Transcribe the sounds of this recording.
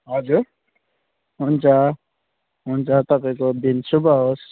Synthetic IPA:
ɦʌd͡zuɾ | ɦunt͡sʰʌ | ɦunt͡sʰʌt̪ʌpaĩkod̪insubʱʌɦos

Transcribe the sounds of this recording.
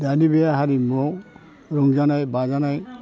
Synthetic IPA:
d̪anibɛjaɦaɾimɔ | ɾɔŋd͡ʒanajbad͡ʒanaj

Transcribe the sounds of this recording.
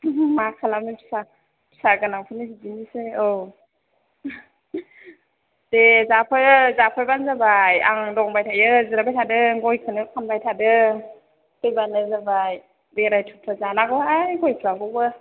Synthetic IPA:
makʰalamipʰi̥sa | pʰi̥saɡɯnaŋpʰɯnɯziziniseo | dezapʰɯzapʰɯjbanzabaja̰ŋdɔŋbajtʰajɯzɯɾabajtʰadɯɡɔjkʰɯnɯkʰanbajtʰadɯ | pʰɯjbanɯzabaj | beɾajtʰutʰɯzanaɡɔajɡɔjpʰɾaɡɔɡɯ

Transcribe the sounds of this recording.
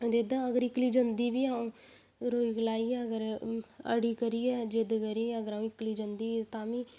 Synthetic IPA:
d̪ed̪aəɡəɾɪkliːd͡ʒənd̪iːbiːaːũː | ɾoːiːklaːiːɛːəɡəɾə̰ɽiːkəɾiːɛːd͡ʒed̪kəɾiəɡəɾãːũːɪkliːd͡ʒənd̪iːt̪ãːʋiː

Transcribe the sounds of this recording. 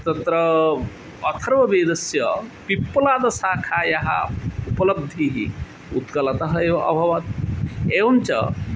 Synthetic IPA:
t̪ɐt̪ɾɐ | ɐt̪ʰɐɾʋɐbeːd̪ɐsjɐpipːɐlaːd̪ɐsaːkʰaːjɐɦa̰upɐlɐb̚d̪ʱːiɦḭ | ut̪kɐlɐt̪ɐɦɐeːʋɐʔɐ̰bʱɐʋɐt̪̚eːʋɐnt͡ʃɐ̰

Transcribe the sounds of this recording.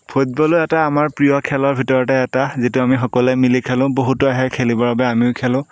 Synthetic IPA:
pʰut̚bɔlʊɛtaːmaɹpɹijɔkʰɛlɔɹbʱitɔɹɔtɛːtazituamixɔkɔlɛmilikʰɛlʊ̃boɦutɔaɦɛkʰelibɔbabɛamiʊkʰɛlʊ̃

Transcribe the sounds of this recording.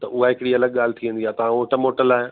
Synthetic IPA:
t̪ɐʔʊɦaɦɪkɪɽiɐləɡ̚ɠaːl̤ɪt̪ʰiʋə̃nd̪iaːt̪ɐʋ̤ãoːʈəmoːʈəlaːɦe

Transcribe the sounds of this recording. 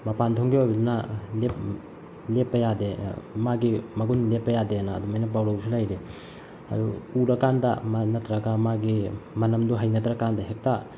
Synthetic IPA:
mɐpantʰoŋɡibabilnalep | lepːɐjademaɡimɐɡunlepːɐjadeanaːdumajnɐpawɾawsʰilajɾe | ɐ̰duuɾɐkandɐ̰manɐtɾɐɡamaɡimɐnɐmduɦajnɐtɾɐkandɐɦek̚ta

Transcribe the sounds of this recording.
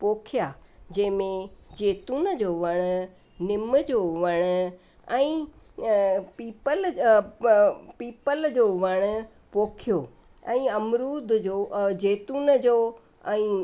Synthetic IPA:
poːkʰijad͡ʑɐ̃ɦɪ̃mẽd͡ʑeːt̪uːnd͡ʑoːʋɐɽ̃ | nɪməd͡ʑoːʋɐɽ̃ | ɛ̃ː | piːpəl | piːpəld͡ʑoːʋɐɽ̃ʊ | poːkʰijo | ɛ̃ːɐmɾuːd̪ʱd͡ʑod͡ʑeːt̪uːnd͡ʑo | ɛ̃ː

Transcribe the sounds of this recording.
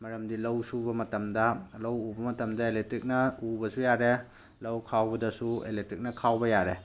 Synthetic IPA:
mɐɾɐmdilɐwsubɐmɐtɐmdɐlɐwubɐmɐtɐmdɐeletɾik̚nɐubɐsujaɾe | lɐwkʰawbɐdɐsuḛletɾik̚nɐkʰawbɐjaɾe

